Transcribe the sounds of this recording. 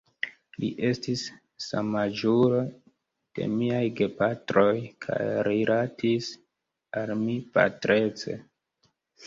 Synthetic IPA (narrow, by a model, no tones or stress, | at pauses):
liʔe̞stisː | a̰mad͡ʒuɾo̞ | d̥e̞̰miajɡe̞patɾo̞jkʰa̰jɾilʔatʰis | almipa̰tɾe̞t͡sḛ